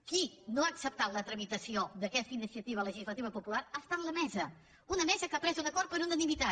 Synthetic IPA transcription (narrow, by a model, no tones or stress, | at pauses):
kinoaksəp̚t̪at̪lət̪ɾəmit̪əsiod̪əkɛst̪əinisiət̪iβ̞ələʒizlət̪iβəpupulaɾast̪anləmɛzə | unəmɛzəkapɾɛzunəkoɾ̚pəɾunənimit̪a